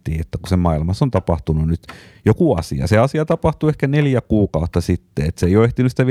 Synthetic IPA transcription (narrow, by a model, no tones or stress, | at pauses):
ḭːet̪ːækusemɑilmɑsont̪ɑpɑht̪ununnyt̪jokuɑ̰sḭɑ̰seɑsiɑt̪ɑpɑht̪uehkæneljækuːkɑut̪ːɑsit̪ːeet̪seijoeht̪inysit̪æʋi